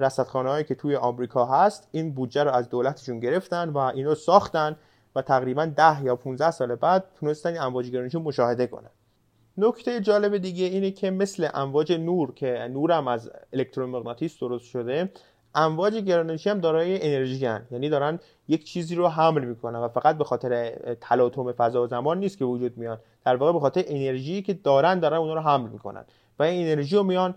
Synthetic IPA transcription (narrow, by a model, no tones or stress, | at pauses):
ɾæsæt̪xɒːnehɒːjiːcʰe̞t̪ʰuːje̞ʔɒːmɾiːkʰɒːɦæst̪iːnbuːd̪d͡ʒæɾoæzd̪oːlæt̪ʰeʃunɟe̞ɾe̞ft̪ænvæʔiːnɔsɒːxt̪ænd | væt̪ʰæɣɾiːbænd̪æhjɒːpʰunzæhsɒːlebæd̪̥̚t̪ʰune̞st̪æninæɱvɒːd͡ʒeɡe̞ɾɒːneʃ̬imo̞ʃɒːhe̞d̪e̞kʰo̞̰næ̰n | nocʰt̪ʰe̞jed͡ʒɒːle̞be̞d̪iːɟe̞iːnecʰe̞me̞sle̞ʔæɱvɒːd͡ʒe̞nuːɾcʰe̞nuːɾæmæzele̞k̚t̪ʰɾomeɣnɒt̪ʰiːsd̪oɾost̪ʃo̞d̪e̞ | ʔæɱvɒːd͡ʒe̞ɟeɾɒːneʃiːhæmd̪ɒːɾɒːjeʔene̞ɾʒiːænjæːniːd̪ɒːɾæn | ject͡ʃʰiːziːɾoɦæmlmiːkʰo̞nænvæfæɡæt̪̚be̞xɒːt̪e̞ɾet̪ʰælɒːt̪ʰome̞fæzɒːzæmɒːnːiːst̪kʰʲevod͡ʒuːd̪̚mijɒn | d̪̥æɾvɒːɣe̞be̞xɒːt̪eɾeʔene̞ɾʒiːcʰe̞d̪ɒːɾænd̪ɒːɾænunhɒːɾoɦæmlmiːkʰo̞̰næ̰n | væinene̞ɾʒiːjomijɒn